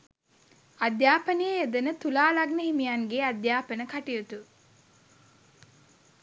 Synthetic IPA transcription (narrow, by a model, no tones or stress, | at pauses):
ad̪jaːpənejeed̪ənət̪ulaːlaɡnəɦimijaŋɡead̪jaːpənəkaʈijut̪u